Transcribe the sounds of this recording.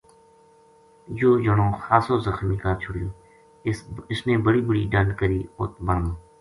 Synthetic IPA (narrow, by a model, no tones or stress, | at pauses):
joːd͡ʒəɽõːxaːsoːzəxmiːkaːt͡ʃʰʊɽiː | ɪsnẽːbəɽiːbəɽiːɖənɖkəɾiːʊ̰t̪̚bəɾmː